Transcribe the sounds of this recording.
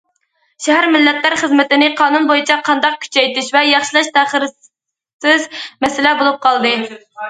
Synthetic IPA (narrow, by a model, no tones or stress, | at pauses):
ʃæɦæɾmɪlːɛt̪læɾχəzmɪt̪ɪnɪqʰɑːnunbojit͡ʃʰɑqʰɑnd̪ɑq̚kʲʰy̥t͡ʃʰɛjt̪ɪʃvɛjɑχʃɨlˠɑʃt̪ʰæχəɾ | sɪzmɛsɪlɛbolˠup̚qʰɑlˠd̪ɨ